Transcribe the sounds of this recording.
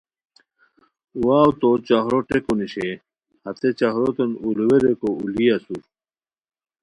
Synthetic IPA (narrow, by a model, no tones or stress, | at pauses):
waːwt̪ot͡ɕaɦɾoʈekuniɕe | hɐt̪et͡ɕahɾot̪enulweɾekouliɐsuɾ